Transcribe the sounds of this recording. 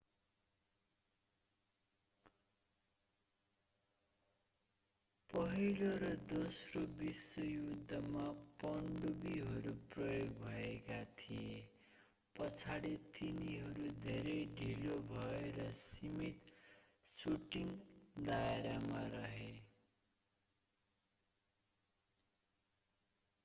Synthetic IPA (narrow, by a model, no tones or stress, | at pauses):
pʌɦiloɾʌd̪osrobiswʌjud̪ʱːʌmapʌɳɖubiɦʌɾuprʌjoɡbʱʌekat̪ʰije | pʌt͡sʰaɽit̪iniɦʌɾud̪ʱeɾʌjɖʱilobʱʌeɾʌsimit̪suʈiŋd̪aeɾamaɾʌɦe